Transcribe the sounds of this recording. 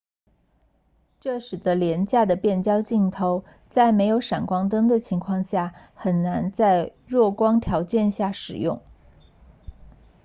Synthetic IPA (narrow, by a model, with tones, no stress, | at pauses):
ʈ͡ʂɤ˥˩ʂɻ̩˨˩d̪ə˦ljɛ˧˥nt͡ɕja˥˩d̪ə˩pjɛ˥˩nt͡ɕjɑ˥ʊt͡ɕi˥˩ŋt̪ʰo˧˥ʊ | t͡sa˥˩ɪme˧˥ɪjo˧˥ʊʂa˨˩nkwɑ˥ŋt̪ɤ˥ŋd̪ə˨t͡ɕʰi˧˥ŋkʰwɑ˥˧ŋɕja˥˩ | xə˨˩nna˧˥nt͡sa˥˧ɪ | ɻwɔ˥˩kwɑ˥ŋt̪ʰjɑ˧˥ʊt͡ɕjɛ˥˧nɕja˥˩ʂɻ̩˨˩jʊ̰˥˩ŋ